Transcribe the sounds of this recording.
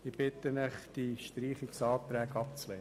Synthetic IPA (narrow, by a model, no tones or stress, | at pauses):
ɪb̥ɪtəmɪχd̥iʃtɾiːχɪksɑːt̪ɾɛːɡɑp̚t͡slɛː